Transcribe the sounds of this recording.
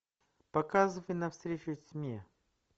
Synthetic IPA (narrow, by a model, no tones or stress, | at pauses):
pɐkazɨvəjnɐfst̪ɾʲet͡ɕʊsʲmʲe